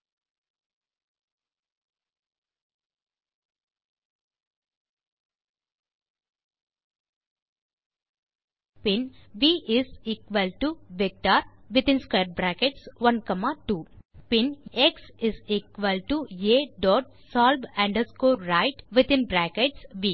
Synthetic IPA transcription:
pɪ̃nʋiːʔɪziːkʋəlʈuʋɪk̚ʈaɾʋɪt̪ɪ̃nskeːɾ̚bɾækeʈsʋʌ̃nkʌmaːʈuːpɪ̃neksɪziːkʋəlʈujeːɖɔːʈ̚ | sɔːlbæ̃ɳɖəskoːɾaɪʈʋɪt̪ɪ̃nbɾækeʈsʋiː

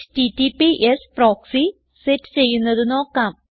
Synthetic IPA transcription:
ʈitipiʔespro̞ːksi | setːɨ̥t͡ɕe̞jːunːɐðuno̞ːkːaːm

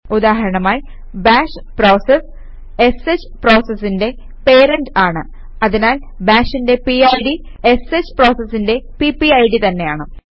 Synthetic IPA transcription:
ud̪aːɦɐɾɐɳɐmaːj | baːʂpro̞ːses | eset͡ɕːɨpro̞ːsɐsːinde̞ | pe̞ːɾɐnɖaːɳɨ | ɐðinaːl | baːʂinde̞piajɽi | eset͡ɕːɨ̥pro̞ːsɐsːinde̞pipːiɐjɽit̪ɐnːe̞jaːɳɨ

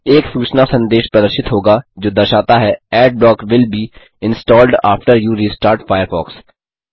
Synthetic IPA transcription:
eːksuːt͡ʃnasɐ̃nd̪eːʃpɾɐd̪əɾʃɪt̪ɦoːɡad͡ʒoːd̪ɐɾʃaːt̪aɦɛɛːɖ̚bɔːkʋɪlbiː | ɪ̃nsʈɔːlɖa̰ːfʈəɾjuːɾiːsʈaːɾʈfaːjəɾfɔ̰ːks

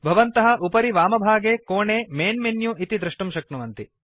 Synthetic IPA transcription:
bʱɐʋɐnt̪ɐɦɐ̆ʔupɐɾiʋaːmɐbʱaːɡeːkoːɳeːmeːnmenjuʔit̪id̪ɾɐʂʈumʃɐk̚ɳuʋɐnt̪i

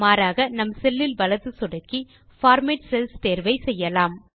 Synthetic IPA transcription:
maːɾaːɣɐnɐmsɛlːɪlʋɐlɐðɯsɔɽɐkːi | faːɾmeːʈsɛlst̪eːɾʋɐɪsɛjːɐlaːm

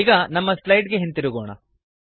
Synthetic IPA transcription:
ɡɐnɐmːɐslɐjɖɡeɦent̪iɾuɡoːɳɐ̰

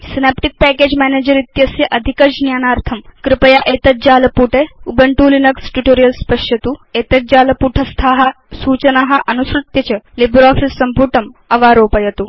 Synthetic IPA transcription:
sinaːpʈik̚pɛːkeːd͡ʑmɛːneːd͡ʒɐɾit̪jɐsjɐʔɐd̪ʱikɐd͡ʒnjaːnaːɾt̪ʰɐmkɾɪpɐjaːʔeːt̪ɐt̪̚d͡ʑaːlɐpuːʈeubʱɐɳʈuːlinɐksʈuʈoːɾijɐlspɐʃjɐt̪ueːt̪ɐt̪̚d͡ʑaːlɐpuʈʰɐst̪ʰaːɦa | suːt͡ʃɐnaɦɐʔɐnusɾut̪jɐt͡ɕɐlibɾɔːfilsɐmpuːʈɐmɐʋaːɾoːpɐjɐt̪uː

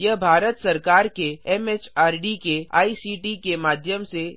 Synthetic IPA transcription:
jəɦbʱaːɾət̪sɐɾkaːɾkeɛmeːt͡ʃaːɾɖikea̰ːisiːʈikemaːd̪ʱjəmse

